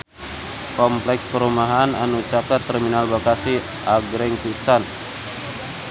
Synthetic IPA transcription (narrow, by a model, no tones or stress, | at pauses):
kɔmplɛkspəɾumaɦana̰nut͡ʃakat̪ːəɾminalbakasi | aɡɾɛŋpisan